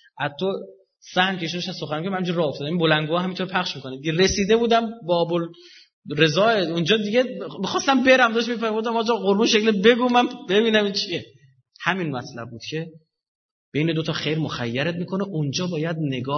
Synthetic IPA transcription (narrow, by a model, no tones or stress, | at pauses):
ʔæt̪ʰo | sæhncʰeʃuneʃæzsoxænmikʰmhæmid͡ʒʰinɾɒːoft̪ɒːd̪æminbo̞lænɡoɒːhæmint̪ʰoɾpʰæχʃmiːkʰo̞ned̪ieɾesiːd̪e̞buːd̪æmbɒːbol | ɾe̞zɒːeund͡ʒɒːd̪iɡemixɒːst̪æmbeɾæmd̪ɒʃ̬mifæɾmuːd̪æmɒːd͡ʒɒɣoɾbuːnʃeclebe̞ɡuːmænbebiːnæmint͡ʃʰie | hæminmæt̪ʰlæb̚buːd̪̥cʰe̞ | b̥e̞jned̪ot̪ʰɒːxejɾmoxæ̰jːæɾet̪̚miːkʰoneʔund͡ʒɒːbɒːjæd̪̚ne̞ɡɒː